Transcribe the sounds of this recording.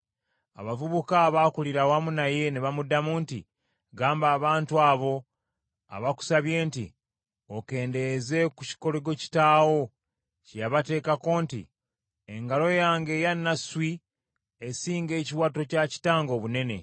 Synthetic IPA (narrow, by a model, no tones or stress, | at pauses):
a̰βavuβukaβakuliɾawamunaje̞neβamudamuːntḭ | ɡaːmbaːβaːntuaːβo̞ | a̰βaku̥saβje̞ːntḭ | oke̞ːnde̞ze̞kuci̥ko̞leɡo̞ci̥taːwo̞ | cijaβate̞ːkako̞ːntḭ | eŋɡalo̞jaːŋɡe̞ːjanːaswi | esiːŋɡe̞ːciwato̞caci̥taːŋɡo̞ːβune̞ne̞̰